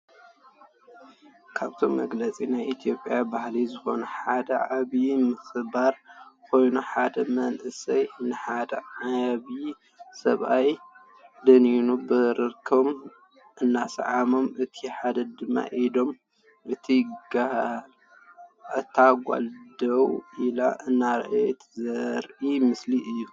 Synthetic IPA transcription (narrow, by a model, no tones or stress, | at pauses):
kʰaβt̪ʰo̞mːɐ̰ɡlɐt͡sʼinajʔit̪ʰijo̞pʼijabahlizɨxo̞nɐħad̪ɐʕaβimɨxɨbaɾkʰo̞jnuħad̪ɐmɐnʔɨsɐjnɨħad̪ɐ̰aβi | sɐ̰βʔaj | d̪ɐninubɨɾɨkʰm | ʔɨnːasɐ̰ʕamo̞mɨt̪ʰiħad̪ɐd̪ɨmːa̰ʔid̪o̞m | ʔɨt̪ʰiɡa | t̪ʰːaɡʷa̰ld̪ɐwilaʔɨnːaɾ̰ʔa̰jt̪ʰzɐɾʔimɨsliʔɨjːu